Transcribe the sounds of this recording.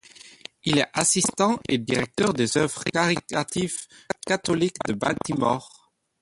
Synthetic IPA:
ilɛʔasist̪ɑ̃ʔed̪iʁɛk̚t̪œʁd̪ezœvʁəkaʁit̪at̪ifkat̪ɔlikd̪əba̰t̪imɔ̰ʁ

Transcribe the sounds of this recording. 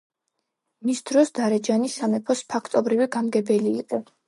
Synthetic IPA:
misd̪̥ɾɔsd̪aɾɛd͡ʒanisamɛpʰɔspʰakʰt̪ʼɔbɾiviɡamɡɛbɛliːqʼɛ

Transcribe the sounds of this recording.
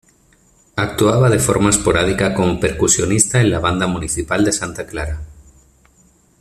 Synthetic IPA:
ak̚t̪uaβað̞e̞fo̞̰ɾmaespo̞ɾað̞ikako̞mopeɾkusjonist̪aenlaβ̞and̪amũniθipald̪esant̪aklaɾa

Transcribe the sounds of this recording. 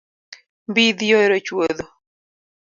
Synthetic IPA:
mbiðioeɾot͡ʃwoðo

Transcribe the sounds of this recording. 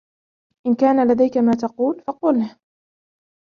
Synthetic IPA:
ʔɪnkaːnalad̪ajkamaːt̪ɑquːlfɑqʊl

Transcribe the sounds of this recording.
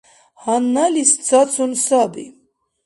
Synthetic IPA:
hanːalist͡sʰat͡sʰunsabḭ

